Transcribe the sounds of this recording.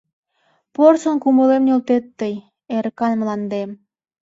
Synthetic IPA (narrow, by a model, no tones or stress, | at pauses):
porsŏnkuməlemnʲolt̪et̪ːəj | eɾkɑnmlɑnd̪em